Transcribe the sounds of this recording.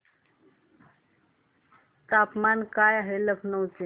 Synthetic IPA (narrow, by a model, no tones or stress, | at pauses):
t̪apmankajaɦeləpʰnəwt͡se